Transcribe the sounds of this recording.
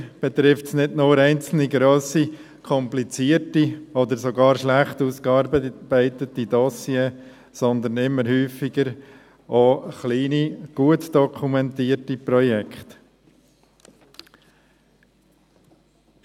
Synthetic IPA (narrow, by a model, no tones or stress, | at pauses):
b̥ɛt̪ɾɪftsnɪdnʊːɾɛɪnt͡sl̩niɡɾoːsi | kʰɔmplit͡siəɾtiɔd̪əɾsoɡɑːɾʃlæχt̪uskɑɾb̥æɪt̪ətid̪ɔsjee | sɔnd̪ənɪmːəɾhyːfiɡ̥əɾ | ʔoχliːniɡ̥uətd̪̥ɔkʰumɛntiːətipɾɔjɛkχt̪